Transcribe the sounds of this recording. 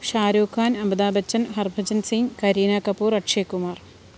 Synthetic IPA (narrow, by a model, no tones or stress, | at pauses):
ʃaːɾoːkʰaːnɐmbɐd̪aːbɐt͡ɕːɐnɦɐrbʱɐd͡ʑɐnsiŋɡkɐɾiːnaːkɐpuːɾɐʈʂeːkːumaːr